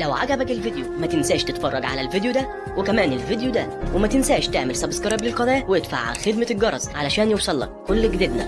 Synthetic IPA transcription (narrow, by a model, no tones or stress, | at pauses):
læwʕa̰ɡæbækelvid̪jumæt̪ɪnsæːʃt̪ɪt̪fɑrˤːɑɡʕa̰lælvid̪jud̪æ | wekæmæːnelvid̪jud̪æwemæt̪ɪnsæːʃt̪eʕmelsɑbskɑɾˤɑblɪlqɑd̪ˤɑːjæweʔed̪fa̰ʕxed̪mæɡɑɾˤɑzʕalæʃæːnjewsˤɑlːɑ̰kːolːɡd̪ed̪næ̰